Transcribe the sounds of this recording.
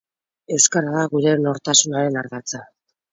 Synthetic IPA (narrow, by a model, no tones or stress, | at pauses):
e̞skaɾaðaɣuɾe̞no̞ɾt̪asunaɾe̞naɾɣat͡sa